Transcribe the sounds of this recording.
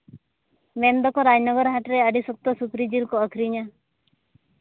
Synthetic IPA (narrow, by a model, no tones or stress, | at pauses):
mend̪ɔkɔɾajnɔɡɔɾɔɦaʈɾeəɖisɔk̚t̪ɔsukɾid͡ʒilkɔːkʰɾiɲa